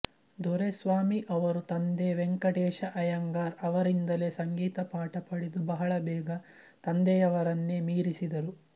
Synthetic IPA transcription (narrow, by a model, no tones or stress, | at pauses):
d̪ʱɔɾesʋaːmiʔɐʋɐɾut̪ɐnd̪eʋeŋkɐʈɛːʃɐʔɐjɐŋɡaːɾɐʋɐɾind̪ɐle̞sɐŋɡiːt̪ɐpaːʈɐpɐɽid̪ubɐɦɐɭɐbɛːɡɐ | t̪ɐnd̪ɛjɐʋɐɾɐnːemiːɾisid̪ɐɾu